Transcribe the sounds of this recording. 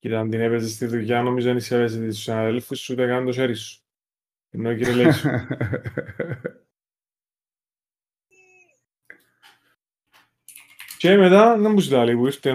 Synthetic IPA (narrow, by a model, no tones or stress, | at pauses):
cit̪ɐnd̪inepezest̪iðuʝɐnomizoeniseves̬et̪et̪usinaðelfusut̪ekɐnnd̪oseɾisu̥ | enːociɾeles | cemet̪ɐðembusilɐlipuiɾt̪e